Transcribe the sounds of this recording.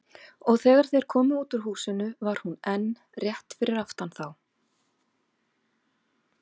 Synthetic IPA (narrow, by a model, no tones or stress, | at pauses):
ɔɣθɛːɣaɾ̥θejɾ̥kʰɔːmʏuːt̪ʏɾ̥huːsɪnʏvaɾ̥hunɛnː | rjɛht̪fɪɾɪɾaft̪anθaw